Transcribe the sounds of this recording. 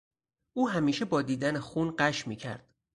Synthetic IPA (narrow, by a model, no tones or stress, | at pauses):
ʔuːɦæmiːʃe̞bɒːd̪iːd̪ænexuːnɢæʃmiːcʰæ̰ɾd̪̥